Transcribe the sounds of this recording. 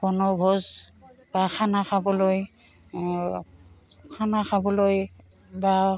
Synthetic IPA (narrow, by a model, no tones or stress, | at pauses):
b̥ɔnɔbʱɔzb̥axʰanaxʰabɔloj | kʰanaxʰabɔloj | ba